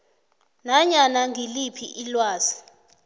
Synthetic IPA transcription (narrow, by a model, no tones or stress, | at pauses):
naɲanaŋʱilipʰḭʔilwaːzi̥